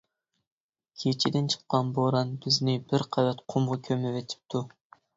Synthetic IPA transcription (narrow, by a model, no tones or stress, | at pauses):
kʲʰet͡ʃʰid̪ɪnt͡ʃʰə̥qːɑnboɾɑnbɪznɪbɪɾqʰævɛt̪qʰomʁɑkʲʰømɪvɛt̪ʰɪ̥p̚t̪ʰu